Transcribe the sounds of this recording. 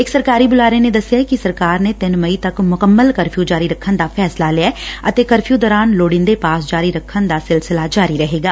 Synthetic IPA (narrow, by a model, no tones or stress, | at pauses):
ɪksəɾkaːɾibʊlaːɾened̪ɐsːjakisəɾkaːɾnet̪ɪnməit̪əkmʊkəmːəlkəɾpʰjũd͡ʒaːɾiɾəkʰːənd̪aːfʰɛːslalɪaːət̪eːkəɾpʰjũd̪ɔːɾaːnloːɽɪ̃nd̪epaːsd͡ʒaːɾiɾəkʰːənd̪aːsɪlsɪlad͡ʒaːɾiɾəɦeːɡaː